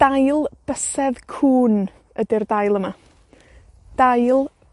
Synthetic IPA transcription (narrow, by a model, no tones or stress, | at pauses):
d̥ajlˠb̥əsɛðkʰuːn | ədɪrdajlˠəma | d̥ajlˠ